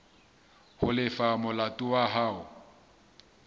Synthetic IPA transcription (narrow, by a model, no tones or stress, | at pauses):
hʊlɪfamʊlatʼʊwaɦaːʊ